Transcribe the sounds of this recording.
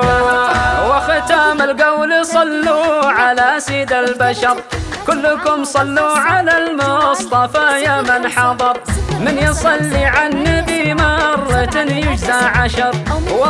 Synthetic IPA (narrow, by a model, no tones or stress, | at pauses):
wɪxɪt̪aːmɪlɡawlsˤɑlːuʕalasid̪albaʃɑɾˤ | kʊlːkʊmsˤɑlːuʕalalmʊsˤt̪ˤɑfajamɪnħɑd̪ˤɑɾˤmɪnjɨsˤɑlːiʕanːibimɑrˤːɑt̪jʊd͡ʒzaʔʕaʃɑɾˤw